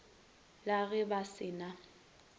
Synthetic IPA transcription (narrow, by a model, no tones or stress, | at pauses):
laɣɛbasɪna